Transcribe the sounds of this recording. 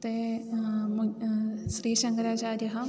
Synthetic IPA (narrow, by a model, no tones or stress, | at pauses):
t̪e | m | ʃɾiːʃɐ̃ŋkɾaːt͡ʃaːɾjɐɦɐ